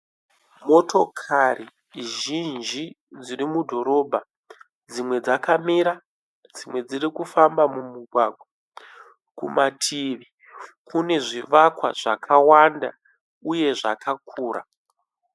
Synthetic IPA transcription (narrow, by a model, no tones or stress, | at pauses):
mo̞tʰo̞kʰari | ʒind͡ʒi | d͡zirimudʱo̞ɾo̞bʱa | d͡zimwe̞d͡zakamiɾa | d͡zimwe̞d͡zirikufambamumuɡʱwaɡʱwa | kṵmʔatʰiʋi | kune̞ʐiʋakwa̰ʐ̥a̰kʰawanda | uje̞ʐa̰kakʰuːra̰